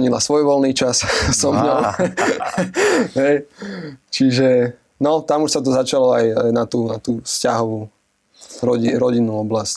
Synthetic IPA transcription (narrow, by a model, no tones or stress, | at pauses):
ɲilasʋɔjʋɔlniːt͡ʃassɔmɲɔ | ɦɛj | t͡ʃiʒɛ | nɔt̪amuʃsat̪̬ɔzat͡ʃalɔajajnat̪uːnat̪uːfscaɦɔʋuː | ɾɔɟiɾɔɟinːuːɔblasc